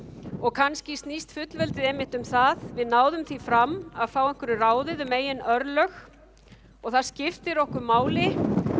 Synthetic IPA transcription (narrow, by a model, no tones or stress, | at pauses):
ɔɣkʰanscɪst̪nist̪fʏt̪lvɛlt̪ɪðɛmːɪht̪ʏmθaðvɪðnaːwðʏmθifɾamːaðfaːwɛŋ̥kvʏɾʏraːwðɪðʏmeːjɪnœɾlœx | ɔɣθaðscɪft̪ɪɾɔhkʏmaːwlɪ